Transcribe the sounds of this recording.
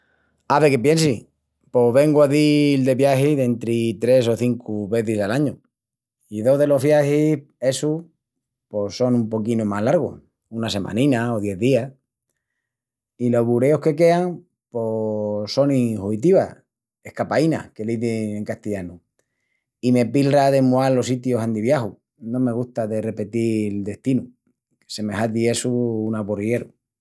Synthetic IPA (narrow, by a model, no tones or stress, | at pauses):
aβe̞kep̬je̞nsi | po̞βe̞ŋɡwaðild̪e̞βjahiðe̞nt̪ɾit̪ɾe̞so̞θiŋkuβe̞θisalaɲu | iðo̞ðe̞lo̞ɦβjahi | e̞su | po̞so̞numpo̞kinumaɦlaɾɣo̰ | unase̞mʔã̰nĩnaoðje̞ððia | ilo̞ɦβuɾe̞ohke̞ke̞aŋ | poso̞nihuit̪̬iβa | ehkapaina̰ke̞liðeŋeŋkast̪iʝanu | ime̞pilaðe̞moalo̞sit̪josand̪iβjaxu | nõme̞ɣ̞ut̪aðe̞re̞pe̞t̪ild̪e̞ht̪inu | e̥se̞me̞ɦaðie̞suunaporie̞ɾu